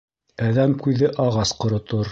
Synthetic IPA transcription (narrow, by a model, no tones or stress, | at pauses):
æðæmkʉðɘʔɑʁɑsqŏɾŏt̪oɾ